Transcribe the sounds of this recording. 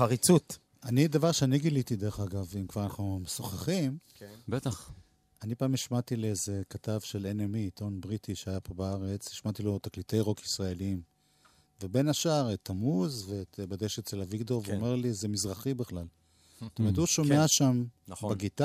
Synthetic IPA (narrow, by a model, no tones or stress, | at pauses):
aʁit͡sut̪ | anid̪avaʁʃeaniɡilit̪id̪eʁeχaɡavimkvaʁanaχnumesoχeχim | bet̪aχ | anipaːmiʃmat̪ileezekat̪avʃe̞lenemit̪o̞nbʁit̪iʃeajapo̞baaʁet͡siʃmatilo̞t̪aklite̞jʁo̞kisʁae̞liim | vebe̞naʃaʁet̪ʰːamuzveːt̪badeʃeselaviɡdoveomeʁlizemizʁaχibeχlal | st̪omeʁt̪huʃomeaʃambeɡit̪a